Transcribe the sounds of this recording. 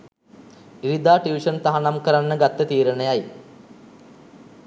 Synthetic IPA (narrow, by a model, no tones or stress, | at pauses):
iɾid̪aːʈiʋiʂənt̪aɦanamkəɾanːəɡat̪ːət̪iːɾənəjaj